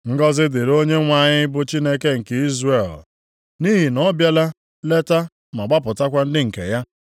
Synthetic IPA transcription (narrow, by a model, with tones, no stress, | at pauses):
ŋ̩˦ɡɔ˦zɪ˦dɪ˨ɾo˦ɲe˦ŋʷa˨ɲɪ˦bʊ˦t͡ʃi˦ne˦ke˦ŋ̩˨ke˨i˦zre˨l | ni˦ɦi˨nɔ˦bja˦la˦ | le˦ta˦ | ma˨ɡ͡ba˦pʊ˨ta˦kʷa˦n̩˦dɪ˦ŋ̩˨kḛ˨ja˦